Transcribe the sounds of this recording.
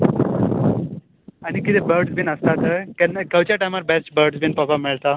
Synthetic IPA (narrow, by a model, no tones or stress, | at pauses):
añikit̪ebəɾɖsbʱinəst̪at̪əkɛnːkewt͡ɕjaʈajmaɾbesʈbəɾɖsbʱinpəkamiɭt̪a